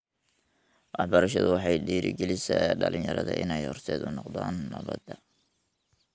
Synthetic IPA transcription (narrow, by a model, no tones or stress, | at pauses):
wɑħbɐɾɐʃɐðʊwɑħɑjɖiːɾɪɡɛlɪsɛɖɐlɪɲjɐɾɐðɐʔɪnɛjhɔrt̪ʰɛːd̪ʊnɔqd̪aːnːɐβɐd̪ɐ